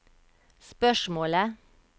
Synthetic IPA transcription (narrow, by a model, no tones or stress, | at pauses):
spœʃmoːlə